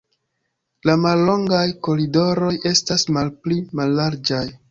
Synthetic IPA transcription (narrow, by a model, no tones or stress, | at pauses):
lamalːo̞ŋɡajko̞ɾido̞ɾo̞je̞stasmalplimalːaɾd͡ʒaj